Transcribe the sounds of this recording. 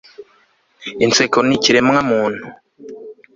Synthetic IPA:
int͡sekoniciɾemŋamuːn̥hu

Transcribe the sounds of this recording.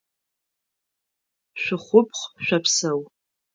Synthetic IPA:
ʃʷɪχʷʊpʰχʃʷᶣapʰsɐw

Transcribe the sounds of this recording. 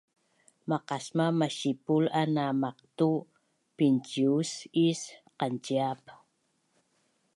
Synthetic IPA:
maqasmamaɕipulanamaq̚t̪u | pint͡ʃiusisqant͡ʃiap

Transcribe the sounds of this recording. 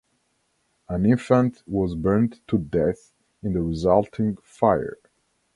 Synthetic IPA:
ə̃nɪ̃ɱfə̃ntwɔzbɜ˞ntʰːudɛθ | ɨ̃nðəɹɪzʌlˠtʰɪ̃ŋfaɪjə̰˞

